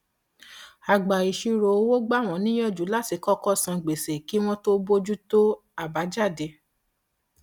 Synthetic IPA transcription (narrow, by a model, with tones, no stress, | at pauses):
a˨ɡ͡ba˨i˨ʃi˧ɾo˨o˦wo˦ɡ͡ba˦˨w̃ɔ̃˨˦nĩ˦jɔ˦˨d͡ʒu˨˦la˦˨ti˨˦kɔ˦kɔ˦sã˧ɡ͡be˨se˨ki˨˦w̃ɔ̃˦to˦bo˦d͡ʒu˦to˦ | a˦˨ba˨˦d͡ʒa˦˨de˧˦